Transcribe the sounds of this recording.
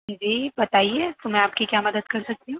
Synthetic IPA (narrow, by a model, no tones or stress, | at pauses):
d͡ʒebɐt̪aːiet̪omɛ̃aːp̚kikjaːmɐd̪əd̪kɐɾsɐk̚t̪iɦũː